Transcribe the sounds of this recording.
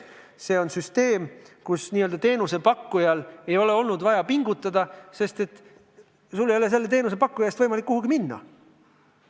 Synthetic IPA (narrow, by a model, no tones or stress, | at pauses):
se̞ːo̞nsyst̪e̞ːmkusniːøld̪ɑt̪e̞ːnuse̞pɑkːujɑle̞jo̞le̞o̞lnud̪vɑjɑpiŋɡ̥ut̪ːˑɑd̪ɑse̞st̪e̞t̪ | sulːejo̞le̞se̞lːe̞t̪e̞ːnus̬e̞pɑkːujɑjest̪vɤjmɑlikːuhuɡiminːɑ̰